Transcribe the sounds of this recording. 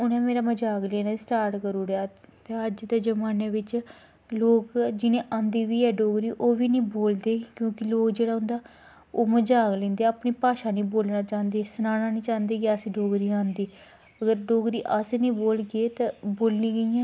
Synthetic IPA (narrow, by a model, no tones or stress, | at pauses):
ʊnẽːmeːɾaːməd͡ʒaːɡlẽːnãsʈaːɾʈkəɾuːɾeaːt̪eəd͡ʒd̪eːd͡ʒəmaːneːʋɪt͡ʃ | loːkd͡ʒɪnẽːʔãːnd̪iːʋiːɛːɖoːɡɾiːʔoːʋiːnĩːboːld̪eːkjõːkɪloːkd͡ʒeːɽaːɦʊ̃nd̪aː | oːməd͡ʒaːɡlẽːnd̪eːapniːpaːʃaːnĩːboːlnaːt͡ʃãːnd̪eːsənaːnaːnĩːt͡ʃãːnd̪eːkɪəsiɖoːɡɾiːãːnd̪iː | əɡəɾɖoːɡɾiːʔəsnĩːboːlɡeːt̪aːboːlnĩːɡəiãː